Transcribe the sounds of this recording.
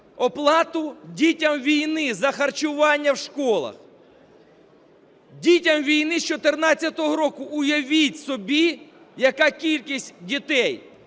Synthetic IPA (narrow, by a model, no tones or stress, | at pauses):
ɔplˠɑt̪ʊdʲitʲɐmʋʲijnɪzɐxɐrt͡ʃʊʋɑnʲːɐwʃkɔlˠɐ̰x | dʲitʲɐmʋʲijnɪst͡ʃɔt̪ernɑt͡sʲːɐt̪ɔɦɔɾɔkʊʊjɐʋʲitʲsɔbʲi | jɐkɑkʲilʲkʲisʲtʲdʲit̪ɛj